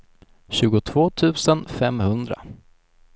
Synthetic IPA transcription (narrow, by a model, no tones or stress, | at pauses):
ɕʉ̟ːɡʊt̪ʰv̥oːt̪ʰʉ̟ːsənfɛmhɵnd̪ɾa̰